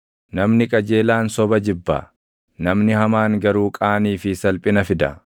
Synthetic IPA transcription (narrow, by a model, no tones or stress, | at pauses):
nɐmnɪkʼɐd͡ʒe̞ːlaːnsɔbɐd͡ʒɪbːa̰ | nɐmnɪhɐmaːŋɡɐɾuːkʼaːniːfɪsɐlpʼɪnɐfɪd̪ɐ̰